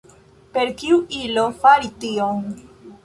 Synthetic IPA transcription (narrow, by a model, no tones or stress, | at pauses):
pe̞ɾkiuʔilo̞faɾitioŋ